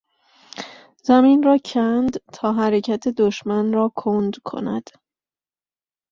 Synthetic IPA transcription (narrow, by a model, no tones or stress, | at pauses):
zæminrɒːcʰænd̪t̪ʰɒːɦæɾecʰæt̪ʰe̞d̪oʃmænrɒːkʰond̪kʰo̞̰næ̰d̪̥